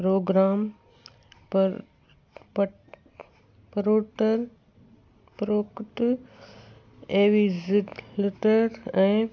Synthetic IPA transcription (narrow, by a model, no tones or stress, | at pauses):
pɾoːɡɾaːm | p | p | pɾoːʈəɾ | pɾoːkʈ | eːʋizɪʈlɪʈəɾɛ̃ː